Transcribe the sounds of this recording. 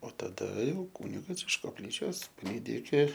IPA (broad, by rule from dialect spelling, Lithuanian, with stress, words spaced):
oː tɐˈdɐ ˈjɛʊ ˈkuːnʲɪɡɐs ɪʃ koːpʲˈlʲiːt͡ʃʲoːs pɐˈlʲiːdʲɪ ɪkʲɪ